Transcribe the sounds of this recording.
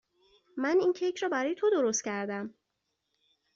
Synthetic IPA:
mænincʰejcʰɾɒːbæɾɒːjet̪ʰod̪o̞ɾost̪cʰæɾd̪æm

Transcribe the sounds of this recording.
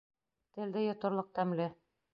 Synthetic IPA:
t̪ɘ̆ld̪ɘjɒ̆t̪ŏɾlˠɤq̚t̪æmlɘ

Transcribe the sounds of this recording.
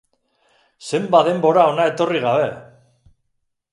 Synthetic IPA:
se̞mbaðe̞mbo̞ɾao̞nae̞t̪o̞riɣaβ̞e̞

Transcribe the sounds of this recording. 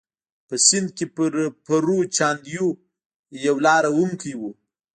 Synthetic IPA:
pəsɪnd̪̚kepəɾpaɾut͡ʃɑnd̪ju | jawlɑɾawumkijwu

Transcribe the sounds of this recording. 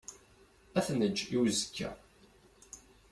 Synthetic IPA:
æθnəd͡ʒːiwzəkʰːæ̰

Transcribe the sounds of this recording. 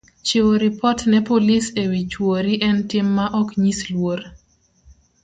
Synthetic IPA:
t͡ʃewoɾipɔtnɛpolisewit͡ʃwoɾiʔɛntɪmːaʔɔkɲislwoɾ

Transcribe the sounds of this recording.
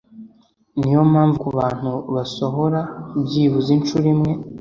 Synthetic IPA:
nijo̞maːɱvukuβaːn̥huβaso̞ɦo̞ɾabɟiːβuzinʃuɾimŋe̞

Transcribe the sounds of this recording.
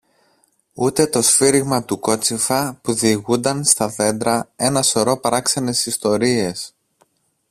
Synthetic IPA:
ut̪e̞t̪o̞sfiɾiɣmɐt̪uko̞t͡sifɐpuðiɣund̪ɐnst̪ɐðe̞nd̪ɾɐe̞nɐso̞ɾo̞pɐɾɐksɐne̞sist̪o̞ɾie̞s

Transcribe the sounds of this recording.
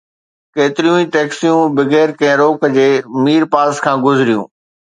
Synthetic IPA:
keːt̪ɪɾijũĩːʈɛːksijũbɪɡeːɾkɛ̃ɦɪ̃ɾoːkd͡ʑeːmiːɾpaːskʰãːɡʊzɪɾijṵ̃ː

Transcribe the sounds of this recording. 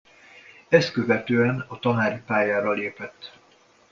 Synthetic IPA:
ɛst̪køvɛt̪øːɛnɒt̪ɒnaːɾipaːjaːɾɒleːpɛt̪ː

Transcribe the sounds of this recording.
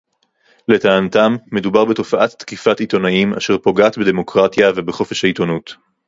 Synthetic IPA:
le̞taːnt̪amːe̞dubaʁbeto̞faʔatːkifatito̞naima̰ʃe̞ʁpo̞ɡaːtbede̞mo̞kʁatjave̞beχo̞fe̞ʃhaito̞nut

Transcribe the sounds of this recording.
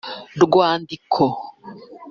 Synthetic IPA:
dɡwaːndikʰo

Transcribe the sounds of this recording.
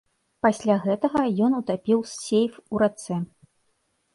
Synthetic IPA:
pasʲlʲaɣɛt̪ɐɣɐjɔnut̪apʲiwsːʲejfuɾat̪sɛ

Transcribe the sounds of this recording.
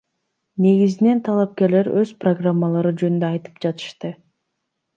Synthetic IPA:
ne̞ɡizine̞nt̪ʰɑlˠɑp̚ke̞ɾle̞ɾø̞zproɡramːalˠɑɾɯd͡ʒønynd̪øɑjt̪ɯ̥p̚d͡ʒɑt̪ɯ̥ʃt̪ɯ

